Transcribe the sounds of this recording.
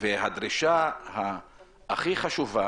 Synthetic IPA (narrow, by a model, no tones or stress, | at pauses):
veɦad̪ɾiʃahaː | χiχaʃuva